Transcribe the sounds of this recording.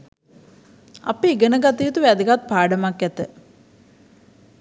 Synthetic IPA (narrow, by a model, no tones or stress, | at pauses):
a̰peiɡənəɡat̪iːt̪uʋæd̪əɡat̪̚paːɖəmakːæt̪ə